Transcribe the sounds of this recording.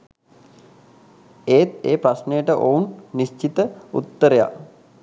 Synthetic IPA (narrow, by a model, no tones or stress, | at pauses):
eːt̪eːpɾasnejəʈəʔounːist͡ʃit̪əṵt̪ːəɾeja̰